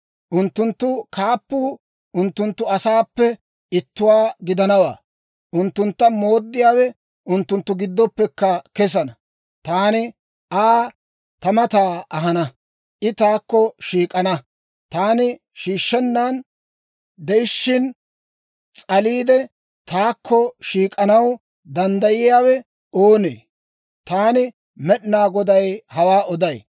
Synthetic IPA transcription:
ʔʊnt̪ːʊnt̪ːʊkʰaːpːuː | ʔʊnt̪ːʊnt̪ːʊɐsaːpːɛ | ɪt̪ːʊwaːɡɪd̪ɐnɐwa̰ː | ʔʊnt̪ːʊnt̪ːɐmoːd̪ːɪjaːwɛ | ʔʊnt̪ːʊnt̪ːʊɡɪd̪ːɔpːɛkːɐkɛs̬ɐnɐ | t̪aːnɪ | ʔaː | t̪ɐmɐt̪aːɐɦɐnɐ | ʔɪt̪aːkːɔʃiːkʼɐnɐ | t̪aːnɪ | ʃiːʃːɛnːaːn | d̪ɛɪʃːɪn | t͡sʼɐliːd̪ɛ | t̪aːkʰːɔʃiːkʼɐnɐw | d̪ɐnd̪ɐjɪjaːwɛ | oːnḛː | t̪aːnɪ | mɛɗnaːɡɔd̪ɐjhɐwaːʔɔd̪ɐj

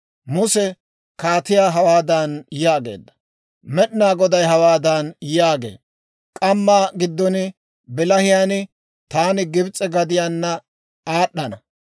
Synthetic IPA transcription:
mʊsɛ | kaːt̪ɪjaːɦɐwaːd̪ɐnjaːɡe̞̰ːd̪ːɐ̥ | mɛɗnaːɡɔd̪ɐjɦɐwaːd̪ɐnjaːɡḛː | kʼɐmːaːɡɪd̪ːɔnɪ | bɪlɐhɪjaːnɪ | t̪aːnɪɡɪbt͡sʼɛɡɐd̪ɪjaːnːɐ | aːɗːɐnɐ

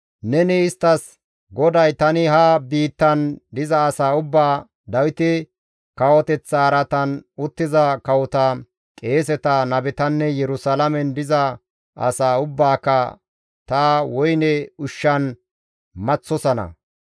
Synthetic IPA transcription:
nɛnɪɪst̪ːɐs | ɡɔd̪ɐjt̪ɐnɪɦɐbiːt̪ːɐnd̪ɪzɐːsaːʊbːaː | d̪ɐwɪt̪ɪ | kɐwɔt̪ɛt͡sːɐːɾɐt̪ɐnʊt̪ːɪzɐkɐwɔt̪ɐ | kʼe̞ːs̬ɛt̪ɐnɐbɛt̪ɐnːɛjɛɾʊsɐlɐmɛnd̪ɪzɐ | ɐ̰saːʊbːaːkːɐ | t̪ɐwɔjnɛʊʃːɐn | mɐt͡sːɔsɐnɐ̰

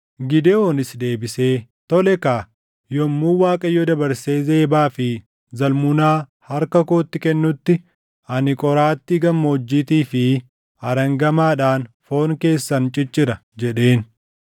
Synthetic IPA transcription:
ɡɪd̪eonɪsd̪e̞ːbɪse̞ː | t̪ɔlɛkaː | jɔmːuːwaːkʼɐjɔd̪ɐbɐɾse̞ːze̞ːbaːfɪ | zɐlmʊnaːhɐɾkɐkoːt̪ːɪkɛnːʊt̪ːɪ | ɐnɪkʼɔɾaːt̪ːɪɡɐmːoːd͡ʒːit̪iːfɪ | ɐɾɐŋɡɐmaːᶑaːnfo̞ːnke̞ːsːɐnt͡ʃʼɪt͡ʃʼːɪɾɐd͡ʒɛᶑe̞ːn

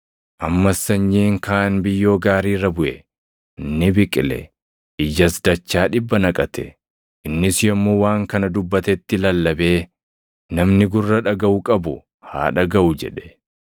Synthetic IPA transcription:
ʔɐmːɐsːɐɲːiːŋkaːʔɐnbɪjːo̞ːɡaːɾiːrɐbʊʔɛ | ɪnːɪbɪkʼɪlɛ̰ | ʔɪd͡ʒɐsd̪ɐt͡ʃːaːᶑɪbːɐnɐkʼɐt̪ɛ̰ | ʔɪnːɪsjɔmːowaːŋkɐnɐd̪ʊbːɐt̪ɛt̪ːɪlɐlːɐbe̞ː | nɐmnɪɡʊrːɐᶑɐɡɐʔʊkʼɐbʊ | ha̰ːᶑɐɡɐʔʊd͡ʒɛᶑɛ̥

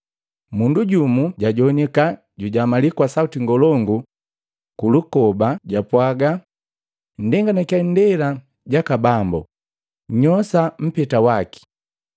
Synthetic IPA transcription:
munduɟumuɟaɟɔnɛka | ɟuɟamalikwasautiŋɡɔlɔŋɡu | kulukɔbaɟapwaɡa | n̩dɛŋɡanakjandɛla | ɟakabambɔ̰ | ɲɔsam̩pɛtawaki̥

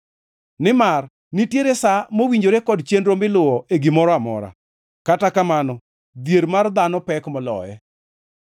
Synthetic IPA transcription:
nɪmar | nitjeɾesamowiɲd͡ʒoɾekɔdt͡ʃendɾomɪlʊɔʔeɡɪmɔɾɔamɔ̰ɾa̰ | katakamanɔ | d̪jeɾmard̪anɔpɛkmɔlɔ̰jɛ̰

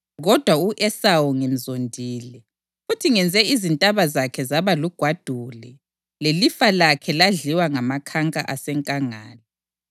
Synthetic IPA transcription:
ɣɔd̥ʱwauʔɛsawɔŋem̩zondʱiːlɛ | futʰiŋɛnd͡zʱɛizintʼaβazakʰɛzaβaluɡ̥ʱwad̥ʱulɛ | lelifalakʰɛlaɮiwaŋamakʰaŋkʼa̰ʔasɛŋkʼaŋaːlɛ

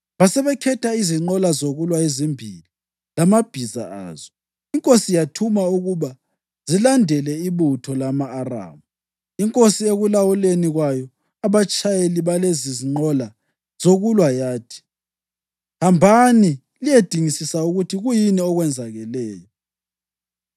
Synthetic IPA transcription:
βasɛβɛkʰɛtʰaiziŋ͡ǃɔlazoɣulwaezimbʱili | lamab̥ʱiza̰a̰ːz̥ɔ | iŋkʼosijatʰumauɣuβa | zilandʱɛlɛiβutʰɔlamaːra̰ːmu | iŋkʼosieɣulawuleniɣwajɔ | aβat͡ʃʼajeliβaleziziŋ͡ǃɔla | z̥oɣulwajaːtʰi̥ | hambʱani | lijed̥ʱiŋisisauɣutʰiɣujiniɔɣwɛnd͡zʱaɣɛlɛːjɔ

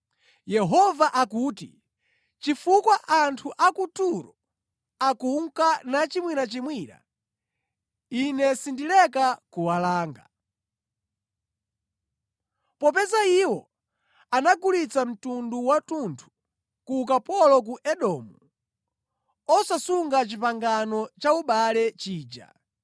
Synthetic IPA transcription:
jɛɦɔvaʔakuːtḭ | t͡ʃifukwaʔantʰuʔakutuɾɔ | akuŋkanat͡ʃimwiɾat͡ʃimwiɾa̰ | inɛsindilɛkakuwalaːŋɡa | pɔp̬ɛzaiwɔ | anakulit͡sam̩tunduwatuntʰu̥ | kuk̬apɔlɔk̬uʔɛɗɔmu | ɔsasuŋɡat͡ʃipaŋɡanɔt͡ʃauɓalɛt͡ʃiːd͡ʒa̰

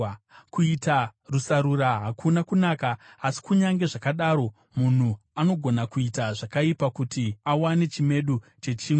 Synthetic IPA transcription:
kuitarusaɾuraɦakʰunakunaːkaːsi̥kuɲaŋɡe̞ʐakaɗaɾo̞ | mun̤u | ano̞ɡʱo̞nakuitaʐakaipakutiawane̞t͡ʃime̞ɗut͡ʃe̞t͡ʃiːŋe

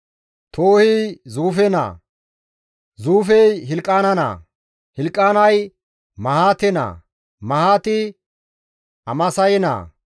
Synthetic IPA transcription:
t̪ʰoːhɪzuːfɛna̰ː | zuːfɛjɦɪlkʼːaːnɐna̰ː | hɪlkʼːaːnɐj | mɐhaːt̪ɛna̰ː | mɐhaːt̪ɪ | ɐmɐsɐjɛna̰ː

